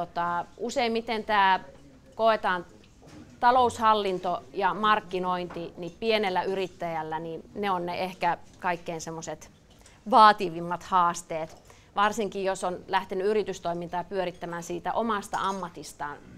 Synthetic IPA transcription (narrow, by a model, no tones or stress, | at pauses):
t̪ot̪ɑˑuseimmit̪ent̪æː | koet̪ɑːn | t̪ɑloushɑlːint̪ojɑmɑrkːinoint̪inipienelːæyrit̪ːæjælːænineonneʔehkækɑikːeinsemːoset̪ | ʋɑːt̪iʋimːɑt̪hɑːst̪eːt̪ | ʋɑrsiŋkijjosonlæht̪enyyrit̪yst̪oimint̪ɑːpyøɾit̪ːæmæːnsiːt̪æ̰ʔomɑst̪ɑ̰ɑmːɑt̪ist̪ɑːn